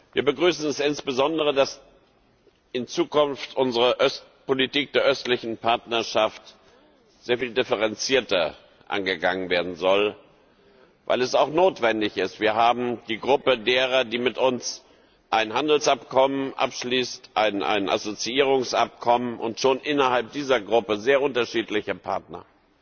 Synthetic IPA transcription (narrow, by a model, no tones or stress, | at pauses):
viːɐbəɡʁyːsn̩ɛsɪnsb̥əzɔndəʁ̞ədas | ʔɪnt͡suːkʊnftʔʊnzəʁəʔœst | politiːk̚d̥eːɐʔœstlɪçn̩pʰaɐtnɐʃaft | z̥eːɐfiːldɪfəʁɛnt͡siːɐtɐ | ʔa̰nɡəɡaŋən̩veːɐdn̩zɔl | va̰ɪlɛsaʊxnoːtv̥ɛndɪçɪstv̥iːɐɦaːbm̩d̥iːɡʁʊpədeːʁ̞ɐdiːmɪtʔʊns | ʔaɪnhandl̩sʔapkʰɔmənʔa̰pʃliːstʔaɪna̰ɪnʔa̰zot͡siiːʁ̞ʊŋsʔa̰p̚kʰɔmənʔʊ̰ntʃoːnʔɪnɐhalp̚d̥iːzɐɡʁʊpəzeːɐʔʊntɐʃiːtlɪçəpʰa̰ɐtnɐ̰